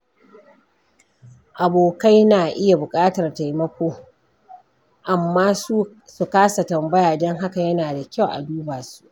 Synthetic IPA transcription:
ʔa˨boː˨ka˦jnaː˨ʔɪ˦ja˨bʊ˨kʼaː˦tɐ˨rta˨jmɐ˦kʷoː˦ | ʔa˨mːaː˦su˦ | su˨kaː˦sa˨tɐ˨mbɐ˦jaː˨dɔ˦ŋɦa˦ka˨jɐ˦naː˨da˨kʲa˦wʔa̰˨duː˦baː˨su̥˦˨ʔ

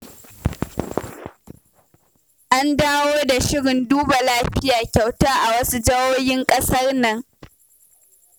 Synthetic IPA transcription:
ʔa˦ndaː˦woː˦da˨ʃɪ˦ɽɪ˨nduː˦ba˨laː˦ɸɪ˦jaː˨kʲa˨wtaː˦ʔa˨wɐ˦su˦d͡ʒɐ˦woː˦jɪ˦ŋkʼɐ˦sɐ˦rnɐ˨ŋ

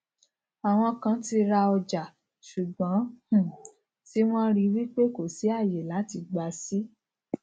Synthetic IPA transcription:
a˨w̃ɔ̃˧kã˨˦ti˧ɾa˧ɔ˧d͡ʒa˨ | ʃu˨ɡ͡bɔ̃˨˦h̩˨ | ti˦w̃ɔ̃˦ɾi˧wi˦k͡pe˦ko˨si˨˦a˦˨je˨la˨˦ti˧ɡ͡ba˧si˦

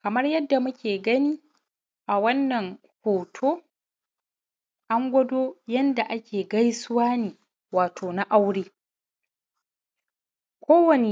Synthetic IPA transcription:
kɐ˨mɐ˦rjɐ˦dːa˨mʊ˦kʲeː˨ɡɐ˦niː˦ | ʔa˨wɐ˦nːɐ˨ŋkʷoː˨tʰoː˦ | ʔa˦ŋɡʷɐ˦doː˦jɐ˦nda˨ʔa˦kʲʰeː˨ɡɐ˦jsʊ˦waː˦niː˨ | waː˨tʰoː˨na˦ʔa˦wɽeː˦ | kʷoː˦wɐ˨ne˨

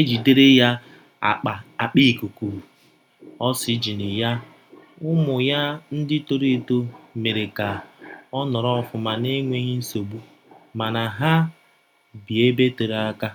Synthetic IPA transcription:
e˦d͡ʒi˨de˦ɾe˦ja˦˨ | k͡pa˨a˨k͡pi˦˨ku˨ku˨ | ɔ˦sɪ˦d͡ʒi˨nɪ˨ja˦ | ʊ˦mʊ˨ja˦n̩˦dɪ˦to˨ɾe˦˨to˦me˨ɾe˨ka˨ɔ˦nɔ˨ɾɔ˦ɔ˦˨fʊ˨ma˨ne˦ŋʷe˦ɦi˦n̩˦so˨bu˦ | ma˨na˨ɦa˦ | bi˨e˦be˦to˨ɾa˦ka˦

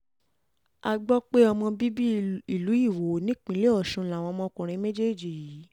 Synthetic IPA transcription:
a˧ɡ͡bɔ˦k͡pe˦ɔ˧mɔ̃˧bi˦bi˦i˨lu˨˦i˦˨wo˨˦nĩ˦k͡pĩ˨˦le˦ɔ˦˨ʃũ˧la˨w̃ɔ̃˧mɔ̃˧kũ˨ɾ̃ĩ˧˦mẽ˦d͡ʒe˦˨d͡ʒi˨ji˨˦

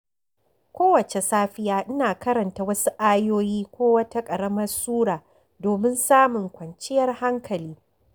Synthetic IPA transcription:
kʷoː˦wɐ˨t͡ʃe˨saː˦ɸɪ˦jaː˦ʔɪ˦naː˨kɐ˦ɾɐ˨nta˨wɐ˦su˦ʔaː˦joː˦jiː˦kʷoː˦wɐ˦ta˦kʼɐ˨ɽɐ˦mɐ˦rsuː˦ɽaː˨ | doː˨mɪ˦nsaː˦mʊ˨ŋkʷɐ˨nt͡ʃɪ˦jɐ˦rha˦ŋkʰɐ˨liː˦

